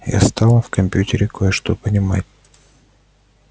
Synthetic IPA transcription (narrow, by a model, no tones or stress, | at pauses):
ja̰st̪ɑlˠəfkɐmʲpʲjʉtʲɪɾʲɪkojəʂt̪opənʲɪma̰tʲ